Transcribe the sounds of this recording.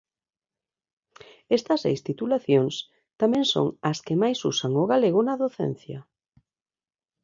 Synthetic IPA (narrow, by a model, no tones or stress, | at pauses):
est̪ɐsḛjst̪it̪ulaθjoŋs | t̪amɛ̃ŋso̰ŋɐskɪmajsṵsaŋʊɣaleɣʊnaðoθɛ̰n̟θjɐ̰